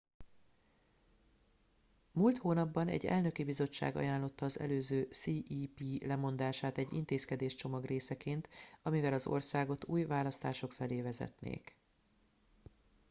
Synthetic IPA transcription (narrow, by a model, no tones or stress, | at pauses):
muːlt̪hoːnɒbːɒnɛ̰ɟːɛ̰lnø̞kibizo̞t͡ʃːa̰ːɡɒ̰jaːnlo̞t̪ːɒːzɛ̰løːzøːsiːʔiːpiːlɛmo̞nd̪aːʃaːt̪ɛɟːḭnt̪eːskɛd̪eːʃt͡ʃo̞mɒɡreːsɛkeːnt̪ɒmivɛlɒzo̞̰rsaːɡo̞t̪uːjvaːlɒst̪aːʃo̞kfɛleːvɛzɛ̰t̪nḛːk